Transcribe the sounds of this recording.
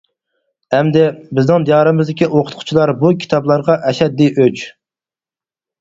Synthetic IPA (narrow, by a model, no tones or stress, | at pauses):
ɛmd̪ɪbɪznɪŋd̪ijɑɾɨmɨzd̪ɪkʲiʔoqʰʊ̥t̪̚qʰʊ̥t͡ʃʰilˠɑɾbukʲʰi̥t̪ʰɑblˠɑɾʁɑʔɛʃɛd̪ːiʔøt͡ʃ